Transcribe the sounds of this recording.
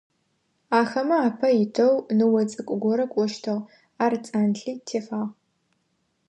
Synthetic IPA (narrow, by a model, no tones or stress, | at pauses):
aːxɐmɐaːpʰɐjɪtʰɐwnɨwɔt͡sʼɨkʷʼʊɡʷɔɾɐkʷʼɔʃtʰɐʁ | aːrt͡sʼaːnɬiːtʰeːfaːʁ